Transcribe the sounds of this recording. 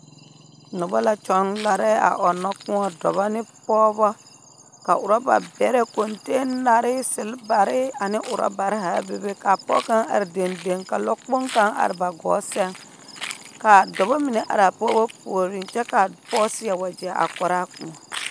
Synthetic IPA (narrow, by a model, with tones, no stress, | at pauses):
nʊ˨bɔ˦la˦t͡ʃɔ˦nla˦ɾɛ˦a̰˨ʔɔ˨nːɔ˦k͡pũ˦ɔ˨dɔ˨βɔ˦nɪ˦pɔː˦bɔ˦ | ka˨ʔʊ˨ɾɔ˦ba̰˨bɛ˨˦ɾɛ˦ko˨nte˦na˨ɾɪ˦sɪ˨lba˨ɾɪ˦a˨nɪ˦ʔʊ˨ɾɔ̰˦ba˨ɾɦa˨˦be˦be˦ka˨pɔ̰˦ka˦ŋa̰˨ɾi˨de˨nde˨ŋka˨lɔ˦k͡po˦ŋka˦ŋa̰˨ɾɪ˨ba˨ɡɔ̰ː˨˦sɛ˦ŋ | ka˨dɔ˨bɔ˦mi˨ne˨ʔa̰˨ɾa˨pɔː˦bɔ˦po˨ɾi˨nt͡ʃɛ˦ka˨pɔː˦sɪ˦a˨wa˨d͡ʒi˨a˨ʔa̰˨kɔ˨ɾa˦kũ˦ɔ˨